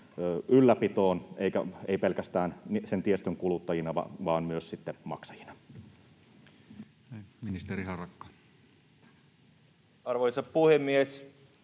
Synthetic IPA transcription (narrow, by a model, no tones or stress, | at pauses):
øʔylːæpit̪oːneikæ̰eipelkæst̪æːnnisent̪iest̪øŋkulut̪ːɑjinɑʋɑ̰ʋɑːnmyøssit̪ːemɑ̰ksɑjinɑ̥ | minist̪erihɑrɑkːɑ̥ | ɑrʋojsɑppuhemːies